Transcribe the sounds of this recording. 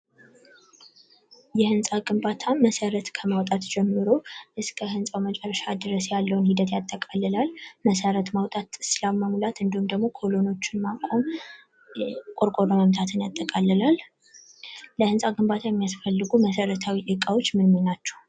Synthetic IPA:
jɛhɨnsʼaɡɨmbat̪ʰaməsəɾət̪kʰəmawt̪ʼat̪d͡ʒɛmːɨɾoʔɨskʰəhɨnsʼawmət͡ʃʼɛrːəʃad̪ɨɾəsjalːəwnhid̪ət̪jat̪ʼːəkʼalːɨlalməsəɾət̪mawt̪ʼat̪sɨlawməmlat̪ɨnd̪ihumd̪əɡmo̞kʰo̞lo̞no̞t͡ʃːɪnmakʷʼom | kʼoɾkʼoɾəməmt̪ʰat̪ʰɨnjat̪ʼːəkʼalːɨlal | əhɨnsʼaɡɨmbat̪ʰajɛmːijasfəlːɨɡuməsəɾət̪ʰawiʔɨkʼawo̞t͡ʃːmɨnmɨnat͡ʃːɛ̥w

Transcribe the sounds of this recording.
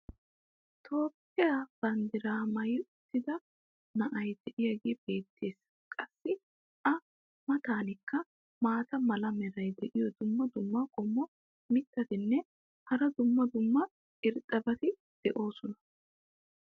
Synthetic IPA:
t̪ʰo̞ːpːɪjaːb̥ɐnd̪ɪɾaːmɐjʊt̪ːɪd̪ɐ | nɐʔɐjd̪ɛʔɪjɐɡeːb̥e̞ːt̪ʰːe̞ːs | kʼɐsːɪ | ʔɐ | mɐt̪aːnɪkːɐ | maːt̪ɐmɐlɐmɛɾɐjd̪ɛʔɪjɔd̪ʊmːɐd̪ʊmːɐkʼɔmːɔ | mɪt̪ːɐt̪ɪnːɛ | hɐɾɐd̪ʊmːɐd̪ʊmːɐ | ɪɾt̪ʼːɐbɐt̪ɪ | d̪̥ɛʔo̞ːsɔnɐ

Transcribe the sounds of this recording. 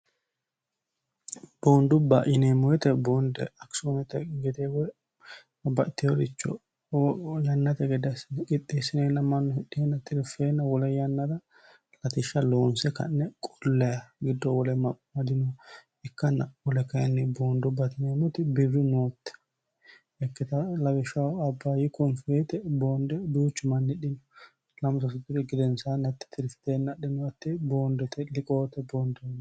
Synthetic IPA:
b̥oːnd̪ʊbːɐ̰ʔɪneːmɔjɛt̪ɛboːnd̪ɛ̰ɐksoːnɛt̪ɛɡɛt̪ewɛ | bɐʔt̪ːɪjɔɾɪt͡ʃːɔ̰ | jɐnːɐt̪ɛɡɛd̪ɐsɪnːɛkɪt̪ʼːesɪneːnːɐmɐnːɔhɪɗɪɛnːɐt̪ɪɾɪfeːnːɐwɔlɛjɐnːɐd̪ɐ | lɐt̪ɪʃːɐlo̞ːnsɛkɐ̰nːɛkʼʊlːɐjɐɡɪd̪ːɔwɔlɛmɐpʼːmɐd̪ɪnɔ | ɛkːɐnːɐwɔlɛkɐjɐnːɛboːnd̪ɔbɐt̪ɪnɛmʊt̪ɪbɪrːɪnoːt̪ːɛ̥ | ɛkːɪt̪ɐlɐwɪʃɐɐbːaːjɪkɔnfeːt̪ɛboːnd̪ɛd̪uːt͡ʃːʊmɐnhɛɗɪnɔ | lɐmsɐs̬ʊt̪ːɪd̪ɛɡɪd̪ɛnsanɐt̪ːɪ̥t̪ʰɪɾɪst̪eːnːɐɗɪnɔɐt̪ːɛboːnd̪ɔt̪ɛlɪkʼoːt̪ːɛboːnd̪ɛnː

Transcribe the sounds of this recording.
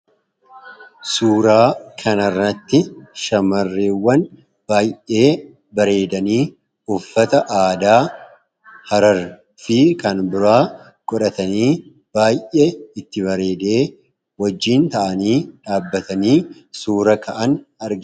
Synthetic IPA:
suːɾaːkʰɐnɐrːɐt̪ːɪʃɐmɐrːeːwːɐn | b̥aːjʔe̞ː | bɐɾe̞ːd̪ɐniː | ʊfːɐt̪ɐʔaːd̪aː | hɐɾɐɾ | fɪkɐnbɪɾaː | kʼɔᶑɐt̪ɐniː | b̥aːjʔeɪt̪ːɪbɐɾe̞ːd̪e̞ː | wɐd͡ʒːiːnt̪ɐʔɐniːᶑaːbːɐt̪ɐniːsuːɾɐkʰɐʔɐnɐɾɡɪ

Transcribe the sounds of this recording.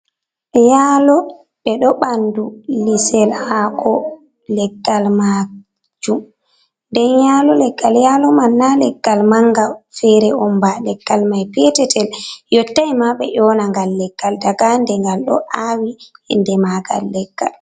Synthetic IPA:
jalɔ | ɓɛɗɔɓandulisɛlhakʰɔ | lɛɡːalma | d͡ʒum | ndɛnjaːlɔlɛɡ̥ːaljalɔmanːalɛɡːalmaŋɡafɛɾɛɔmbalɛɡ̥ːalmajpɛtɛtʰɛljɔtːajmaɓɛ̰ʔɔnaŋɡalːɛɡ̥ːaldaɡandɛŋɡalɗɔ̰ʔawiɛ̰ndɛmaɡa̰lːɛɡ̥ːa̰l

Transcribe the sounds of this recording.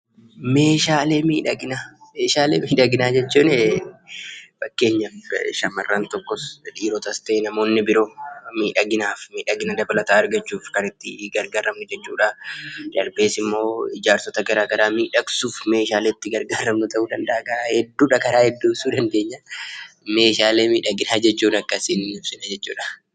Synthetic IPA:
me̞ːʃaːle̞ːmiːᶑɐɡɪnameːʃaːlḛːmiːᶑɐɡɪnaːd͡ʒɛt͡ʃːuːnɛ | fɐkːe̞ːɲːɐʃɐmːɐrːant̪ɔkːɔsᶑiːɾɔt̪ɐst̪eːnɐmo̞ːnːɪbɪɾo̞ːmiːᶑɐɡɪnaːfmiːᶑɐɡɪnɐd̪ɐbɐlɐt̪aːɐɾɡɐt͡ʃːuːfkɐɾɪt̪ːɪɡɐɾɡaːɾɐmnʊd͡ʒɛt͡ʃːṵːᶑɐd̪ɐɾbe̞ːsɪmːo̞ːɪd͡ʒaːɾsɔt̪ɐɡɐɾaːɡɐɾaːmiːᶑɐksuːfme̞ːʃaːleːt̪ːɪɡɐɾɡaːɾɐmnut̪ɐʔuːᶑɐnd̪ɐʔaːkahɛd̪ːuːᶑɐkɐɾaːhɛd̪ːuːsuːᶑɐnd̪e̞ːɲːɐ | me̞ːʃaːleːmiːᶑɐɡɪnaːd͡ʒɛt͡ʃːuːnɐkːɐsɪnɪnɪfsɪnɐd͡ʒɛt͡ʃːṵːᶑɐ

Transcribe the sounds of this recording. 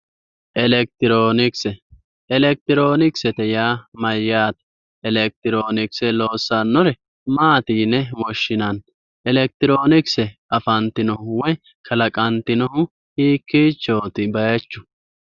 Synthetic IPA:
ʔɛlɛk̚t̪ɪɾoːnɪksɛ | ɛlɛk̚t̪ɪɾo̞ːnɪksɛt̪ɛjaːmɐjːaːt̪ɐ | ɛlɛk̚t̪ɪɾoːnɪksɛlo̞ːsːɐnːɔɾɛ | maːt̪iːnːɛwɔʃːɪnɐn | ɛlɛk̚t̪ɪɾo̞ːnɪksɛʔɐfɐnt̪ɪnɔhʊwɔj | kʰɐlɐkʼɐnt̪ɪnɔhʊ | hiːkːiːt͡ʃːoːt̪ɪbɐjɐt͡ʃːʊ

